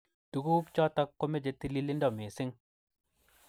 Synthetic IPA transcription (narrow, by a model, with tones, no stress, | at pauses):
tu˨ɡu˦kt͡ʃɔ˦ta˦kːo˦me˦˨d͡ʒe˧ti˦li˦li˦ndɔ˦˨me˨si˦ŋ